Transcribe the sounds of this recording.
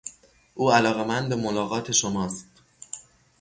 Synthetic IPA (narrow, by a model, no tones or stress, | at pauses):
ʔuːælɒːɣe̞mænd̪bemolɒːɣɒːt̪ʰe̞ʃomɒːst̪